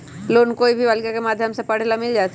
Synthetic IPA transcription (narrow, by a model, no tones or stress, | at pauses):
loːnkoːibʱiʋɐlɡjakemaːd̪ʱjəmsepɐɽ̤lamɪld͡ʒaːs